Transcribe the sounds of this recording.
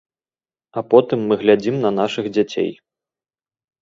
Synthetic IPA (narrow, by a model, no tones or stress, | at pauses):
apɔt̪ɨmːɨɣlʲad͡zʲimnɐnaʂɨɣd͡zʲat͡sʲḛj